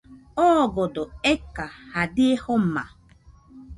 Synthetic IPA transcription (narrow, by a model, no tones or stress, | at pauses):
ɔɡɔdɔekahadɪehom̩ma̰